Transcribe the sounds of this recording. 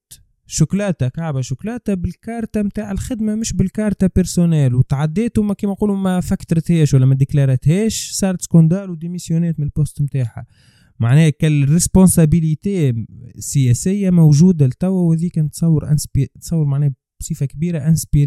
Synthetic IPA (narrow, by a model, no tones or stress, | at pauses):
ʃʊklɑːt̪akaʕbaʃʊklɑːt̪abɪlkɑːɾˤt̪amt̪aːʕalxɪd̪mamɪʃbɪlkɑːɾˤt̪apɪɾsonɛːlwt̪ʕad̪ːɛːt̪ʊmkiːmæquːlumæfækːt̪ɾət̪hɛːʃwælːæmæd̪ɪklɑɾˤɑt̪hɛːʃsɑːɾɑt̪skond̪ɑːɾwd̪imisjʊnɛːt̪mɪnlpʊst̪mt̪aːħa̰ | maʕnɛːkælrɪspõnsabilit̪eːsəjɛsɪjːamowʒuːd̪alt̪æwːæwhɛðiːkɛːnt̪sˤɑwːəɾʔɪ̰nspt̪sˤɑwːəɾmaʕnɛːh | bsˤiːfakbiːɾaʔɪnspiɾ